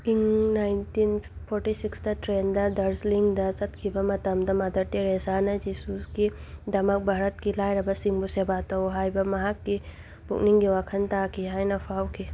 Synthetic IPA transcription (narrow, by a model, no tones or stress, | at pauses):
iŋnaːjntinpʰoɾʈisiksd̪ɐʈɾeːnd̪ɐd̪ɐɾsliŋɡd̪ɐsɐt̪kʰibɐmɐt̪ɐmd̪ɐmɐd̪ɐʈːiɾeːsaːnɐd͡ʒisuskid̪ɐmɐk̚bʱaːɾɐt̪̚kilaːjɾɐbɐsiŋbusebaːt̪ɐɦaːjbɐmɐɦɐkːi | b̥ṵkniŋɡiwakʰɐnt̪aːkʰiɦaːjnɐfʰawkʰi